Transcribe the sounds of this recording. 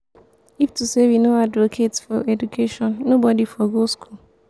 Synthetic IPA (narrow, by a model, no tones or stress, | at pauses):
iftusewinoadvokʰetsfɔɛdukʰeʃɔ̃nːobɔdifɔɡoskʰul